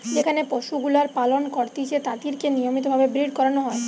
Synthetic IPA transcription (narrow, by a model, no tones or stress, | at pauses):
d͡ʑekʰanepoʃuɡulaɾpalonkɔɾt̪it͡ɕʰet̪at̪iɾkenijomit̪̬obʱabebɾiɖkɔɾanoɦɔe